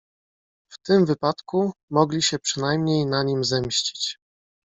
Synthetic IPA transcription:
ft̪ɘmvɘpat̪kumɔɡlʲiɕɛpʂɘnajmɲejnaɲimzɛmɕt͡ɕi̥t͡ɕ

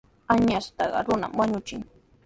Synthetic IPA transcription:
aɲast̪ɑɢɑ̰ɾʊna̰mwaɲʊt͡ʃɪŋ

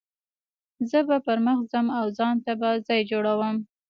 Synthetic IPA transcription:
zəbapəɾməxzəmawzɑnt̪abazɑjd͡ʒoɽawəm

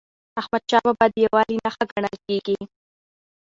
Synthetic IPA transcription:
axmad̪̚ʃɑbabɑjad̪əjawɑlinaxaɡaɳəlkeɡi

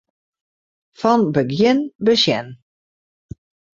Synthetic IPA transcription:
fɔnbəɡjɪnbəsjɛn

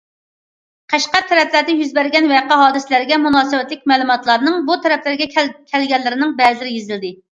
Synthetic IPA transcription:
qʰæʃqɑt̪ʰɛɾɛplæɾd̪ɛjyzbæɾɡʲɛnwɛqɑɦɑːd̪ɨsɪlæɾɪɡʲɛmunɑːsɨwɛt̪lɪk̚ʲmɛːlˠumɑt̪lˠɑɾnɨŋbut̪ʰɛɾɛplæɾɡʲɛkʲʰɛlɡʲɛlːɪɾɪnɪŋbɛllɪɾɪjezɪld̪ɪ

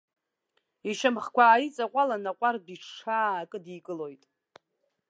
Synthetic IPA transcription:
iʃamχkʷaːjit͡sʼaqʷʼalanaqʷʼardiʈ͡ʂʂʰaːkʼɨdikʼɨlo̞jtʼ

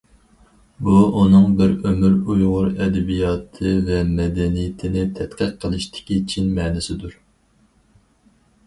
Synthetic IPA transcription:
buunɨŋbɪɾømyɾujʁʊɾɛd̪ɛbijɑːt̪ʰɨvɛmɛd̪ɛnijɪt̪ʰɪnɪt̪ʰɛt̪qʰəq̚qʰːəlˠɨʃt̪ɪ̥kʲit͡ʃʰinmɛːnɪsɪd̪uɾ

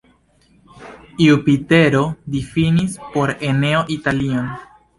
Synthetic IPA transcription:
iupite̞ɾo̞difinispo̞ɾe̞ne̞oʔitalion

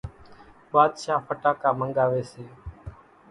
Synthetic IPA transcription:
ɓaːd̪ʃaːpʰəʈaːkaːməŋɡaːʋeːseː

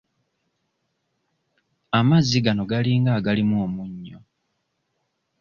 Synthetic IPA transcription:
amazːiɡano̞ɡaliːŋɡaːɡalimuomuɲːo̰

